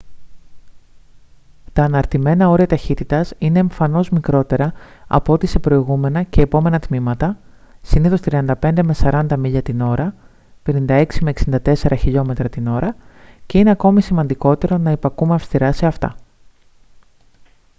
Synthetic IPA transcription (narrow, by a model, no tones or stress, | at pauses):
t̪ɐːnɐɾt̪ime̞nɐo̞ɾiɐt̪ɐçit̪it̪ɐsine̞ːɱfɐno̞zmikɾo̞t̪e̞ɾɐɐ̰poot̪ise̞pɾo̞iɣume̞nɐce̞ːpo̞me̞nɐt̪mimɐt̪ɐ | siniθo̞st̪ɾiɐnd̪ɐpe̞nd̪e̞me̞sɐɾɐnd̪ɐmiʎɐt̪ino̞ɾɐ | pe̞nind̪ɐe̞ksime̞eksind̪ɐt̪e̞se̞ɾɐçiʎo̞me̞t̪ɾɐt̪ino̞ɾɐce̞ine̞ɐko̞misimɐnd̪iko̞t̪e̞ɾo̞nɐepɐkumeɐfst̪iɾɐse̞ɐft̪ɐ̰